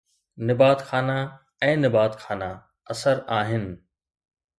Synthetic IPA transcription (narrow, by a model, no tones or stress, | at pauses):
nɪbaːt̪xaːna | ɛ̃ːnɪbaːt̪xaːna | ɐsəɾaːɦɪnɪ̆